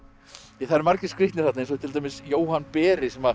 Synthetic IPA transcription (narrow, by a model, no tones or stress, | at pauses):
ɛθaðɾmaɾcɪskɾiht̪nɪɾ̥θat̪nejns̬ɔt̪ʰɪlt̪amɪsjoːwhanːpɛːɾɪsɛma